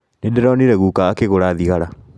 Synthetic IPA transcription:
nedɛɾɔniɾɛɣukaːkeɣoɾaːðiɣaɾa

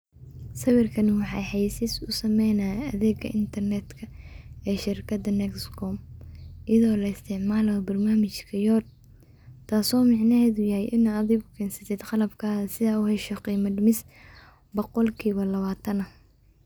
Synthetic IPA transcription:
sɐwɪrkʰɐnwɑħɑjħɑjsɪsʊsɐmɛjnaɐðɛːɡɐ̰ʔɪnt̪ʰɐrnɛd̪kʰɐɛːʃɪrkʰɐd̪ɐnɛkskʰɔmʔɪðɔːlɐɪst̪ʰɪʕmaːlɐbɐrnaːmɐt͡ʃkʰɐjɔːrd̪̚ | t̪ʰaːsɔːmɑʕnɐhɛːðʊjɐhɛjʔɪnɔaðɛɡʊkʰɛːnsɐ̥t̪ʰɛd̪qɑlɐbkʰaːðɐsɪðaːʊhɛʃɔqiːmɐdmɪs | bɔqɔlkʰiːβɐlɐβaːt̪ʰɐnɐ

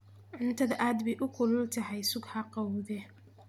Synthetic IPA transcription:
ʕʊnt̪ʰɐðɐʔaːd̪bɛjʔʊkʰʊlʊlt̪ʰɐɦɛjsʊɡhɑqɑwðɛ

